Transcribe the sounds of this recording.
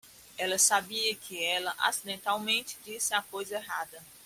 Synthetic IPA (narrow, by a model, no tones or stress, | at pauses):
ɛlɐsabiɐkʰɪɛlɐʔa̰sid̪ẽnt̪awmẽnt͡ʃɪ̥d͡ʒisɪakojzɐeɦad̪ɐ